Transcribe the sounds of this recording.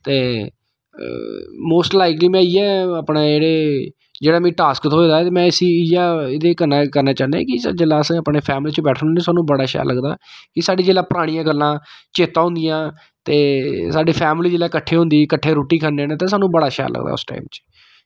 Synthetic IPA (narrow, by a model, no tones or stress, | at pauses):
t̪eː | moːsʈlaɪkliːmɛ̃ːiːɛːəpɽeːeːɽeː | d͡ʒeːɽaːmĩːʈaːskt̪ʰoeːd̪aːt̪eːmɛ̃ːəsĩːɪjaːɪd̪eːkənaːkəɾnaːt͡ʃãːnd̪ɛ̰̃ːkɪsd͡ʒelaːsəpɳeːpʰɛːmliːt͡ʃbɛːʈʰːnĩːsaːnũːbəɽaːʃəja̰ːləɡd̪a̰ːkɪsaːɖiːd͡ʒeːlaːpɾaːɽ̃ijãːɡəlːãːt͡ʃeːt̪ːãːɦʊ̃nd̪ɪjãː | t̪eːsaːɖeːpʰɛːmliːd͡ʒeːlaːkəʈʰːeːɦʊ̃nd̪iːkəʈʰːeːɾoːʈiːkʰəneneːt̪eːs̬aːnũːbəɽaːʃja̰ːlə̰ɡd̪a̰ːʊ̰sʈa̰ːimt͡ʃ